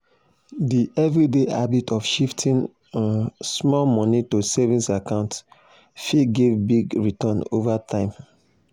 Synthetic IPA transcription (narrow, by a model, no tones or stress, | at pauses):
diʔɛvɹideʔabitʰɔfʃiftʰĩn | smɔlmɔ̃nitosɛvĩnsakãʊ̃nt | fiɡevbiɡɹitɔ̃novatʰãɪ̃m